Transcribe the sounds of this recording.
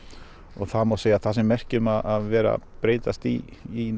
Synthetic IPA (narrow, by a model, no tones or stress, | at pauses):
ɔɣθaðmawseːjaθasɛmːɛr̥cɪmaðaðvɛːɾa̰pɾeːjt̪ast̪iː